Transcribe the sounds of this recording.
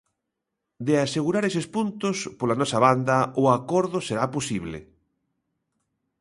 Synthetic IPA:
d̪easeɣuɾaɾesespunt̪ʊspolanɔsɐβand̪ɐʊakɔɾðʊseɾaposiβlḛ

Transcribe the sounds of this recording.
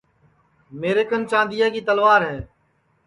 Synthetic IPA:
meːɾeːkənt͡ʃãːnd̪ɪjaːkiːt̪əlʋaːɾɦɛ̃ː

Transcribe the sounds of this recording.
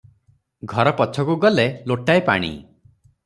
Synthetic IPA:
ɡʱɔɾɔpɔt͡ʃʰɔkuɡɔleloʈajpa̰ɽ̃ḭ

